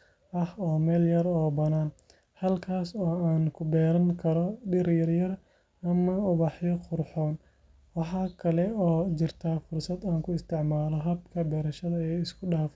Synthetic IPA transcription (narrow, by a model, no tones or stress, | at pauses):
ʔɐhɔːmɛːljɐɾɔːbɐnaːn | hɐlkʰaːsɔːaːnkʰʊbɛːɾɐŋkʰɐɾɔɗɪɾjɐrjɐr | ɐmɐʊβɑħjɔqʊrħɔːn | wɑħɑːkʰɐlɛɔːt͡ʃɪrt̪ʰɐfʊrsɐd̪aːŋkʰʊɪst̪ʰɪʕmaːlɔɦɐbkʰɐbɛːɾɐʃɐðɐɛjɪskʰʊɗaːf